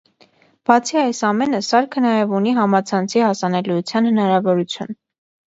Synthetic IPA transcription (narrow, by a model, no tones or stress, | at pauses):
b̥ɑt͡sʰiɑjsɑmɛnəsɑɾkʰənɑjɛvuniɦɑmɑt͡sʰɑnt͡sʰihɑsɑnɛlujut͡sʰjɑnhənɑɾɑvɔɾut͡sʰjṵn